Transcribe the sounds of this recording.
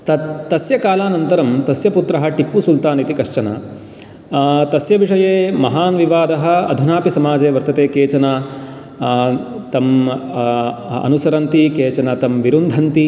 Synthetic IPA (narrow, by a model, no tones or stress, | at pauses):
t̪ɐt̪ːɐsjɐkaːlaːnɐnt̪ɐɾɐmt̪ɐsjɐput̪ɾɐɦɐ̆ʈipːusult̪aːnit̪ikɐʂt͡ʃɐna̰ː | t̪ɐsjɐʋiʂɐjeːmɐɦaːnʋiʋaːd̪ɐɦɐ̆ɐ̰d̪ʱunaːpisɐmaːd͡ʒeːʋɐɾt̪ɐt̪eːkeːt͡ʃɐnaː | t̪ɐm | ɐ̰nusɐɾɐnt̪ikeːt͡ʃɐnat̪ɐmʋiɾund̪ʱɐnt̪i